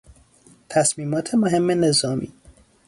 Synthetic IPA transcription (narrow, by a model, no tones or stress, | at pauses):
t̪ʰæsmiːmɒːt̪ʰemoɦe̞mːene̞zɒːmḭː